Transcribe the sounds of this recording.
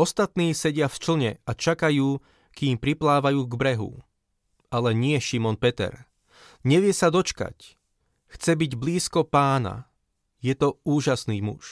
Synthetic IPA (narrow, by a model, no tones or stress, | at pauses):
ɔst̪at̪niːsɛɟɪaft͡ʃl̩ɲɛat͡ʃakajuː | kiːmpɾiplaːʋajuːɡbɾɛɦṵ | alɛɲɪɛʃimɔnpɛt̪ɛ̰ɾ | ɲɛʋɪɛsad̪ɔt͡ʃka̰c | xt͡sɛbiɟbliːskɔpaːna̰ | jɛt̪ɔuːʒasniːmṵʃ